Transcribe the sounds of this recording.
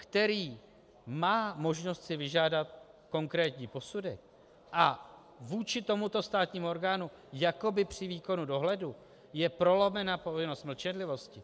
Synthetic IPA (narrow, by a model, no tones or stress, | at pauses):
kt̪ɛɾiː | maːmo̞ʒno̞st̪sɪvɪʒaːdat̪̚ko̞ŋkɾɛːt̪ɲiːpo̞sudɛk̚ | ʔa | vuːt͡ʃɪt̪o̞mut̪o̞st̪aːt̪ɲiːmuo̞ɾɡaːnu | jako̞bɪpr̝̥ɪviːko̞nudo̞ɦlɛdu | jɛpɾo̞lo̞mɛnapo̞vɪno̞st̪ml̩t͡ʃɛnlɪvo̞scɪ